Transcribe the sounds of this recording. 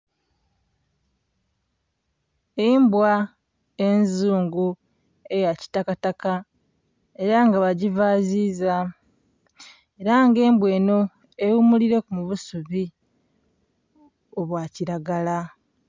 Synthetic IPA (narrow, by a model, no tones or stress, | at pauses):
embwa | e̞nzuːŋɡu | e̞jaci̥takataka | e̞ɾaŋɡaβaɟivaziːza | e̞ɾaŋɡe̞ːmbwe̞ːno̞ | ewumuliɾe̞kumuβusuβi | o̞βwaːciɾaɡala